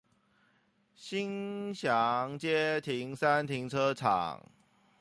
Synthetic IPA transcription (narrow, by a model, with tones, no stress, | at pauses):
ɕi˦˥ŋɕja˨˦ŋt͡ɕje˦t̪ʰi˨˦ŋsa˦nt̪ʰi˨˦˥ŋʈ͡ʂʰɤ˦ʈ͡ʂʰa̰˨˩ŋ